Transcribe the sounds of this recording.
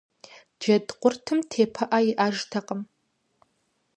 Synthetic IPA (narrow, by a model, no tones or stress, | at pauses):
dd͡ʒɐdqʷʼʊrtʰɨmtʰeːpʰɐʔajɪʔaːʒtʰɐqʼəm